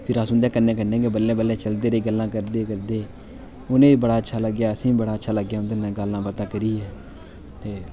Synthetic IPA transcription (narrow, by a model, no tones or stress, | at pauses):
pʰɪɾaːsʊnd̪ɛ̃ːkənːẽːkənːẽːɡeːbəlːẽːbəlːẽːt͡ʃəld̪eːɾeːɡəlːãːkəɾd̪eːkəɾd̪eː | ʊnẽːiːbəɽaːətːʃʰaːləɡjaːəsĩːbəɽaːətːʃʰaːləɡːjaːʊnd̪eːnɛ̃ːɡəlːãːpət̪aːkəɾiːɛː | t̪eː